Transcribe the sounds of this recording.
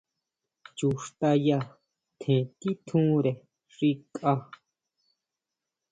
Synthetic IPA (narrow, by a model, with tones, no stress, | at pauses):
t͡ʃu˨ʂt̪a˧ja˦˧ | t̪ʰẽ˨t̪i˦t̪ʰũː˦ɾe˨ | ʐ̥i˦kʼa˦